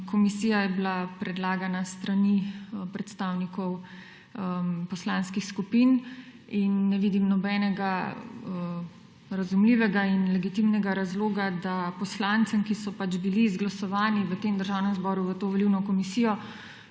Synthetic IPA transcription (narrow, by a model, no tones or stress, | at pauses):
kɔmisiːjajɛbilapɾɛd̪laːɡanast̪ɾanipɾɛt̪st̪aːwnikɔw | pɔslaːnskixskupin | inːɛʋiːd̪imnɔbɛːnɛɡa | ɾazumliːʋɛɡainlɛɡit̪imnɛɡaɾazloːɡad̪apɔslant̪səmkisɔpat͡ʃbiliːzɡlasɔʋaːniʋət̪eːmd̪əɾʒaːwnɛmzbɔɾuʋət̪oːʋɔliwnɔkɔmisijɔ